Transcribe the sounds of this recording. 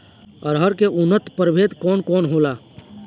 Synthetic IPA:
ɔːɾɦəɾkeʔʊnːət̪pəɾbʱeːt̪kɔːnkɔːnɦoːlaː

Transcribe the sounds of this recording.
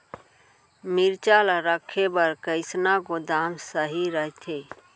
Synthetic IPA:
miɾt͡ʃalaɾəkʰːebəɾkəɪsnakod̪amsəɦiɾəɦt̪ʰe

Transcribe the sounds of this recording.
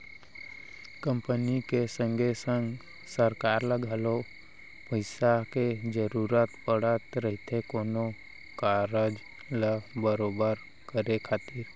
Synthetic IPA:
kə̃mpənikesə̃ŋɡʱesə̃ŋɡ | səɾkaːɾləɡʱalo | pəɪsaked͡ʒəɾuːɾət̪pəɽət̪ɾəɦɪt̪ʰekoːno | kaɾəd͡ʒ | ləbəɾoːbəɾ | kəɾekʰaːt̪iɾ

